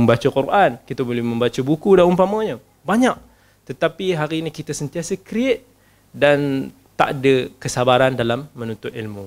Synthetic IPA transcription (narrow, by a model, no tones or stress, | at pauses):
əmbat͡ʃakuɾʔankit̪abolɛhmə̃mbat͡ʃabukudanumpamaɲə | baɲaʔ | t̪ət̪apiɦaɾiːnikit̪asənt̪iasəkɾiet̪̚ | dan | t̪a̰ʔdəkəsabaɾandalamːənunt̪ʊt̪ilmu